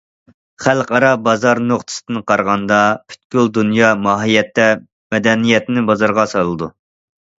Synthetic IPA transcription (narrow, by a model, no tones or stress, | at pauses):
χælˠqɑɾɑbɑzɑɾnoχt̪ʰɨ̥sɨ̥d̪̥ɨnqʰɑɾʁɑnd̪ɑpʰy̥t̪̚kʲyld̪unjɑmɑːɦijɛt̪ːɛ | mɛd̪ɛnijɛt̪nɪbɑzɑɾʁɑsɑlˠɨd̪u